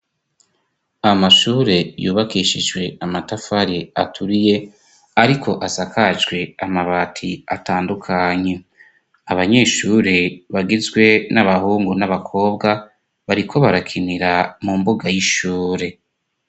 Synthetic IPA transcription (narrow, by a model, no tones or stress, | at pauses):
aamaʃuːɾe̞juːβakiʃid͡ʒɡwe̞amatafaɾiatʰuɾije̞ | aɾikʰo̞ʔazakad͡ʒɡwe̞amaβaːtʰia̰taːndukʰaɲe̞ | aβaɲe̞ːʃuːɾeβaɡizɡwe̞naβahuːŋɡunaβakʰo̞ːbɡa | βaɾikʰo̞βaɾakʰiniɾamumbuɡajiʃuːɾe̞